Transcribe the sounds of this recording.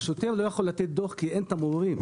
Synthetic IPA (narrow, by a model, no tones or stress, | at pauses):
ʃut̪emlojaχo̞lːat̪et̪̚d̪oχkient̪amuʁim